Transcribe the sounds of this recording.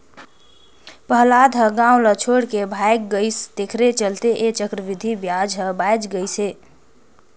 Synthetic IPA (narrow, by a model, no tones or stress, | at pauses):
pəɦlaːd̪ɦə̃ɡãːʊ̃lət͡ʃʰoːɽkebʱaɪk̚ɡəɪst̪ekʰɾet͡ʃəlt̪eʔet͡ʃəkɾəʋɪd̪ʱibjad͡ʒɦə̃baɪd͡ʒɡəise